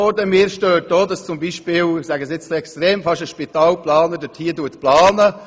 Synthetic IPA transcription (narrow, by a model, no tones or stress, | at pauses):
ɔɾdəmiːɾʃtøːt̚doːdɑst͡sʊmbiʃpɪːlsæɡəsɪt͡sliɛkstɾeːmfɑʃəʃpit̪ɑːlplɑːnədəthiːəduətplɑːnə